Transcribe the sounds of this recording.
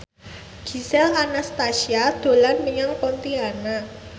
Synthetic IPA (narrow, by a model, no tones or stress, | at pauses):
ɡ̥i̤sɛlanast̪asiad̪̥o̤lanmiɲaŋpont̪iana